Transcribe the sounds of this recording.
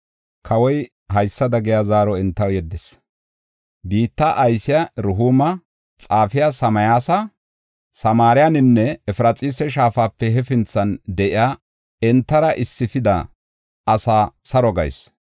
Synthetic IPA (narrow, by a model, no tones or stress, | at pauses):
kʰɐwɔj | hɐjsːɐd̪ɐɡɪjazaːɾɔɛnt̪ːɐwjɛd̪ːɪs | biːt̪ːɐʔɐjsɪjɐɾʊɦuːmɐ | t͡sʼaːfɪjasɐmɐjaːsɐ | sɐmaːɾɪjanɪnːɛːfɾɐt͡sʼiːsɛʃ̬aːfaːpːɛɦɛfɪnt͡sːɐnd̪ɛʔɪjaː | ɛnt̪ːɐɾɐʔɪsːɪfɪd̪ɐ̰ | ɐsaːsɐɾɔɡɐ̰js